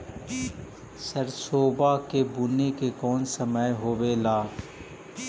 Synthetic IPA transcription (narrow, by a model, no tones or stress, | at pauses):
səɾsoːbakebʊnekekɔːnsəməjɦoːwelaː